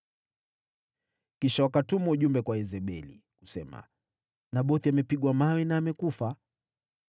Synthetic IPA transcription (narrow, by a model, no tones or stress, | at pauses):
kiʃawakatumauʄumbɛkwaɛzɛɓɛlḭku̥sɛma̰ | naɓɔθiamɛpiɠwamawɛnaːmɛkufa